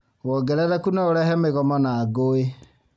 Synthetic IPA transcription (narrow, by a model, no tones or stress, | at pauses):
wɔɡɛɾɛðɛkunaoɾɛhɛmeɣɔmɔnaɡoe